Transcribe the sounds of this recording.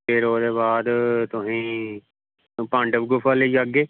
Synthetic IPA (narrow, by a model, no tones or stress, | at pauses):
eɾoːd̪eːbaːd̪t̪ʊɦĩː | pãɳɖəbɡʊfaːleiaɡeː